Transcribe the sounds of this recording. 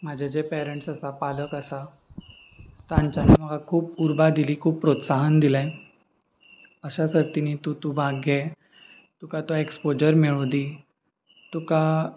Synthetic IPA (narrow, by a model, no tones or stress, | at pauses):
m̤ad͡ʑʱad͡ʑepɛɾəɳʈsəsapaləkəsa | t̪ãɲt͡ɕamiməɡakʰuːpuɾbad̪iliːkʰuːpːɾot̪saɦənd̪ilɛ̃ | əɕasəɾt̪iniːt̪ut̪ubʱaɡʱe | t̪ukat̪oekspod͡ʑəɾmeɭod̪iː | t̪uka